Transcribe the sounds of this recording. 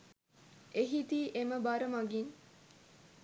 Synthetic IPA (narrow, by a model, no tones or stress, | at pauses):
eɦit̪iːʔeməbɐɾɐmɐɡiŋ